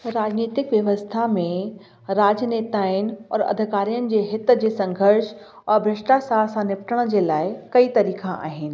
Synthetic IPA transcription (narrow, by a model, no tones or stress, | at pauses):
ɾaːd͡ʑniːt̪ɪkʋjɐʋəst̪ʰamẽ | ɾaːd͡ʑneːt̪aːɪnɪ̆ɔ̰ːɾɐ̰d̪ʱɪkaːɾijənɪ̆d͡ʑeːɦɪt̪d͡ʑeːsɐ̃ŋɡʱəɾʃ | ɔːɾbɾɪʃʈasaːlsãnɪpʈəɽ̃d͡ʑeːlaːɪkɐit̪ɐɾiːkʰãʔa̰ːɦɪnɪ̆